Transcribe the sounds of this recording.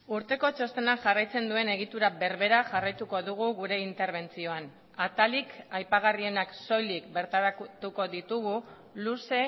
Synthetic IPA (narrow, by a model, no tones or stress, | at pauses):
uɾt̪e̞ko̞t͡ʃo̞st̪e̞naŋʝarajt͡se̞nd̪ue̞ne̞ɣ̞it̪uɾabe̞ɾβe̞ɾaʝarajt̪uko̞ðuɣ̞uɣuɾe̞int̪e̞ɾβ̞e̞nt͡sio̞an | at̪alikajpaɣ̞arie̞nakso̞jlikbe̞ɾt̪aɾakt̪uko̞ðit̪uɣ̞u | luse̞